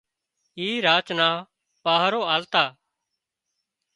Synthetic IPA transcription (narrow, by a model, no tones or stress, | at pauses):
iːɾaːt͡ʃnaː | paːɦɾoːaːlt̪aː